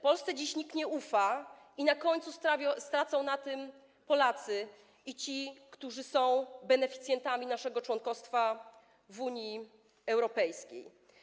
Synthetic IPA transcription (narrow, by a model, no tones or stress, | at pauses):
pɔlst̪sɛd͡ʑiɕɲikɲɛufa | inakɔɲt̪susast̪ɾat̪sɔ̃w̃nat̪ɘm | pɔlat̪sɘ | it͡ɕikt̪uʐɘsɔ̃w̃bɛnɛfʲi̥t̪sʲjɛnt̪amʲinaʂɛɡɔt͡ʂwɔŋkɔst̪fa | vuɲi | ɛwɾɔpɛjskʲḛj